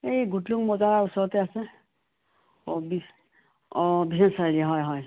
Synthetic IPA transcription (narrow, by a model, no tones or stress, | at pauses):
ejɡuʈluŋmɔd͡ʒaɾausɔt̪ease | bi | biɦensaɾiaɦɔjɦɔj